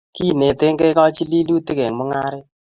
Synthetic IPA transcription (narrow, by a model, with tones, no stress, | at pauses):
ki˦˨ne˨te˦ŋke˦kɔ˦t͡ʃi˦li˦lu˦te˦ɡe˨ŋmɔ˦ŋa˦ɾɪ˦